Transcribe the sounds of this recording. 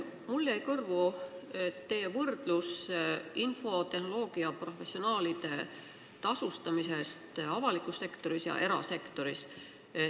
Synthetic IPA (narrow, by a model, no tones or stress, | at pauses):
mulːejkɤrvu | t̪ːe̞ːvɤrd̪̥lusinfo̞t̪e̞hno̞lo̞ːɡ̥iɑpro̞fe̞sːio̞nɑːlid̪̥e̞ | t̪ɑsust̪ɑmise̞st̪ɑvɑlikːˑusːe̞kt̪o̞ɾisjɑ̰ʔe̞ɾɑ̰se̞kt̪o̞ɾis